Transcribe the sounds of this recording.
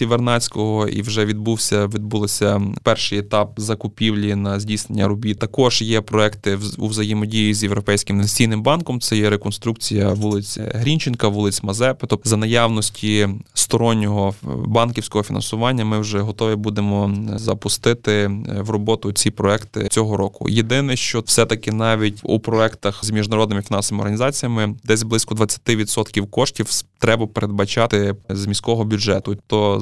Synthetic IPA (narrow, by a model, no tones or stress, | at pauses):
tʲiʋernɑt͡sʲkɔɦɔḭwʒɛʋʲid̪̚buwsʲɐʋʲid̪̚bulˠɔsʲɐpɛrʃɪjɛt̪ɑp̚zɐkʊpʲiwlʲinɐzʲdʲijsnenʲːɐɾʊbʲit̪ɐkɔʒjɛpɾɔɛkt̪ɪṵwzɐjɪmɔdʲijizʲjewɾɔpɛjsʲkɪmnɐijnɪmbɑnkɔmt̪sɛjɛɾekɔnst̪ɾuk̚t͡sʲijɐʋulˠɪt͡sʲɦɾʲinʲt͡ʃɪnkɐʋulˠɪt͡sʲmɐzɛpet̪ɔzɐnɐjɑwnɔsʲtʲʰist̪ɔɾɔnʲːɔɦɔbɑnkʲiwsʲkɔɦɔfʲinɐ̰nsʊʋɑnʲːɐmɪwʒɛɦɔt̪ɔʋʲibud̪emɔzɐpʊst̪ɪt̪ɪʋrɔbɔt̪ʊt͡sʲipɾɔɛkt̪ɪ̰t͡sʲɔɦɔɾɔkʊ̰jed̪ɪnɛʃt͡ʃɔfsɛt̪ɐkɪnɑʋʲitʲṵpɾɔɛkt̪ɐxzmʲiʒnɐɾɔd̪nɪmɪfʲinɑnsɔʋemɪɔ̰ɾɦɐnʲizɑt͡sʲijɐmɪd̪ɛsʲblˠɪsʲkɔd̪ʋɐt͡sʲːɐ̥t̪ɪʋʲid̪sɔt̪kʲiwkɔʃtʲiwt̪ɾɛbɐpeɾʔed̪̚bɐt͡ʃɑt̪ɪzmʲisʲkɔɦɔbʲʊd͡ʒɛt̪ʊt̪ɔ